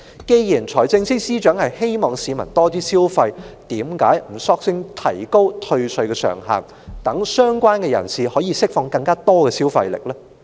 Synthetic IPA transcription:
ke˧jjiː˨˩nt͡sʰɔː˨˩jt͡sɪ˧ŋsi˥k̚siː˥t͡ʃœː˨˥ŋhɐ˨jhe˥jmɔː˨ŋsiː˨˧mɐ˨˩nt̪ɔː˥t̪iː˥siː˥wfɐ˧jt̪iː˨˥mka̰ː˨˥jm̩˨˩sɔː˥k̚sɪ˥ŋt̪ʰɐ̰˨˩jko˥wt̪ʰɵ˧ɥsɵ˧ɥkɛː˧sœ̰ː˨˩ŋɦa̰ː˨˩n | t̪ɐ˨˥ŋsœː˥ŋkʷaː˥nkɛ˧jɐ̰˨˩nsiː˨hɔː˨˥jiː˨˧sɪ˥k̚fɔː˧ŋkɐ˧ŋkaː˥t̪ɔː˥kɛ˧siː˥wfɐ̰˧jlɪ̰˨k̚lɛː˥

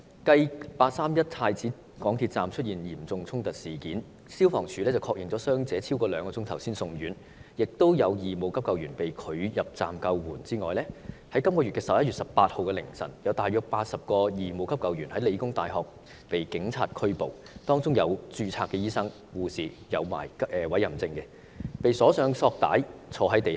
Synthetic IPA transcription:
kɐ˧jpaː˧t̚saː˥mjɐ˥t̚t̪ʰaː˧jt͡siː˨˥ | kɔː˨˥ŋt̪ʰiː˧t̚t͡saː˨mt͡ʃʰɵ˥t̚jiː˨˩njiː˨˩mt͡sʊ˧ŋt͡sʰʊ˥ŋt̪ɐ˨˩t̚siː˨˩kiː˨˥n | siː˥wfɔː˨˩ŋt͡ʃʰyː˨lɛː˥t͡sɐ˨wkʰɔː˧k̚jɪ˨ŋt͡sɔ˨˧˥sœː˥ŋt͡sɛː˨˧t͡sʰiː˥wkɔː˧lœː˨˧ŋkɔː˧t͡sʊ˥ŋt̪ʰɐ˨˩wsiː˥nsʊ˧ŋjyː˨˥n | jɪ˨k̚t̪o˥wjɐ˨˧wjiː˨mo˨˧wkʰɐ˥p̚kɐ˨˧wjyː˨˩npe˨jkʰɵ˨˧ɥjɐ˨p̚t͡sa̰ː˨mkɐ˧wwuː˨˩nt͡siː˥ŋɔ̰ː˨jlɛː˥hɐ˨˥jkɐ˥mkɔː˧ɥy˨t̚kɛ˧sɐ˨p̚jɐ˥jyː˨t̚sɐ˨p̚paː˧t̚ho˨wkɛ˧lɪ̰˨˩ŋsɐ̰˨˩njɐ˨˧wt̪aː˨jœː˧k̚paː˧t̚sɐ˨p̚kɔː˧jiː˨mo˨˧wkʰɐ˥p̚kɐ˨wjyː˨˩nhɐ˨˥jle˨˧jkʊ˥ŋt̪aː˨jɦɔː˨k̚ | pe˨jkɪ˨˥ŋt͡sʰa̰ː˨t̚kʰɵ˥ɥpo̰˨w | t̪ɔː˥ŋt͡sʊ˥ŋjɐ˨˧wt͡ʃyː˧t͡sʰaː˧kːɛː˧jiː˥sɐ˥ŋ | wuː˨˩siː˨ | jɐ˨˧wma̰ː˨˩jɛː˨˧wɐ˨˥jːɐ˨˩mt͡sɪ˧ŋkɛ˧ | pe˨jsɔː˨˥sœː˨˧ŋsɔː˧k̚t̪a̰ː˨˥jt͡sʰɔː˨˧˥ɦɐ˨˥jt̪e˨j

